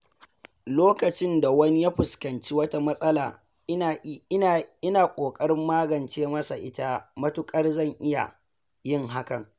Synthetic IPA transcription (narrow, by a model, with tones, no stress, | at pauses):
loː˦kɐ˨t͡ʃɪ˦nda˨wɐ˦ni˦jaː˦ɸʊ˨skɐ˨nt͡ʃi˦wɐ˦ta˦mɐ˦sʼɐ˦laː˨˦˨ | ɪ˦naː˨kʷʼoː˨kʼɐ˦ɾɪ˦mːaː˦ɡɐ˨nt͡ʃeː˦mɐ˦sa̰˨ʔɪ˦ta˦mɐ˦tʊ˦kʼɐ˦rzɐ˦˨ŋʔɪ˦ja̰˨ | jɪ˦˨ŋɦa˦kɐ˨ŋ